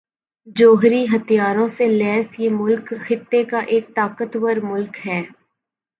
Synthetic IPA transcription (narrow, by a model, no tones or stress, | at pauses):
d͡ʒoːɦɾiɦɐt̪ijaːɾõselɛːsjemʊlkxɪt̪ːekaʔeːk̚t̪aːkət̪wəɾmʊlkɦɛː